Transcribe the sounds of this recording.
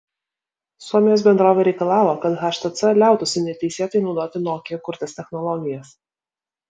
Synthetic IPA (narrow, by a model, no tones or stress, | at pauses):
suɔmʲɪjoːsbʲɛnd̪ɾoːʋʲɛːɾʲɛɪkɐlˠɑːʋoːkɐt̪ɣɐʃt̪ɐt̪sɐlʲæˑʊt̪ʊsʲɪnʲɛt̪ʲɛɪsʲeːt̪ɐɪnɒʊd̪oːt̪ʲɪnoːkʲekʊɾʲt̪ʲeːsʲt̪ʲɛxnɔlˠɔɡʲɪjɛs